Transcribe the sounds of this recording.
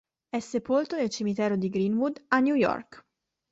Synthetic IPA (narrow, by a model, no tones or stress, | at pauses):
ɛsːepolt̪onelt͡ʃimit̪ɛːɾod̪iɡɾinwud̪anːjujɔ̰rk